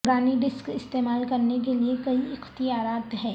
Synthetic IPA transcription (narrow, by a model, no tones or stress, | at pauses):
ʊɾaːniɖɪskɪst̪eːmaːlkɐɾnek̬eliekɐiɪxt̪ijaːɾaːt̪ɦɛː